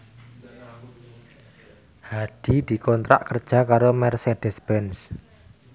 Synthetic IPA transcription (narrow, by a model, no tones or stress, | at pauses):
haɖ̥i̤d̪̥i̤kɔnt̪ɾa̰ʔkərd̥ʒ̥a̤kaɾomɛrseɖ̥ɛ̤spɛns